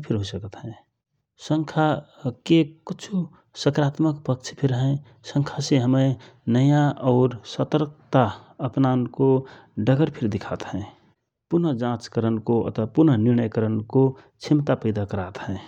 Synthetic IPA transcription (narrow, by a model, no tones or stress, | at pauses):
pʰɪɾɦosəkət̪ɦɛ̃ | sə̃ŋkʰakekʊt͡ʃʰu | səkɾaːt̪məkpək̚t͡ʃʰi̥pʰɪɾɦɛ̃ | sə̃ŋkʰaseɦəmẽnəjaɔːɾsət̪əɾk̚t̪a | əpnankoɖəɡəɾpʰɪɾd̪ɪkʰat̪ɦɛ̃ | pʊɾnəd͡ʒãt͡ʃkəɾənkoə̰t̪əpʊɾnənɪɾnəjkəɾənko | t͡ʃʰɪmt̪apəɪd̪akəɾaːt̪ɦɛ̃ː